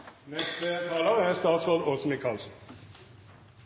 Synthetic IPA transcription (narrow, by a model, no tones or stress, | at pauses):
nɛst̪ət̪ʰɑːləʁæːst̪ɑːt̪sʁoːd̪osmɪkʰɑlsn̩